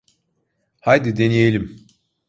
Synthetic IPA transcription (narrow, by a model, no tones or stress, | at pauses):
hajd̪id̪enijelʲim